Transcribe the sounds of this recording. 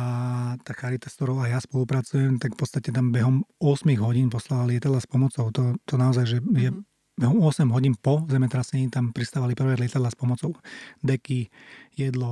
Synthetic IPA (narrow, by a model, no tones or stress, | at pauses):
at̪aːxaɾit̪ast̪ɔɾɔʊajaspɔlupɾat͡sujɛmt̪akfpɔtt͡st̪acɛt̪ambɛɦɔmʊɔsmiɣɦɔɟiːnpɔslalalɪɛt̪ad̪laspɔmɔt͡sɔʊt̪ɔt̪ɔnaɔzajʒɛjɛ | bɛɦɔmɔsɛmɦɔɟiːnpɔzɛmɛt̪ɾasɛɲiːt̪ampɾist̪aːʋalipr̩ʋɛlɪɛt̪ad̪laspɔmɔt͡sɔʊd̪ɛkijɛd̪lɔ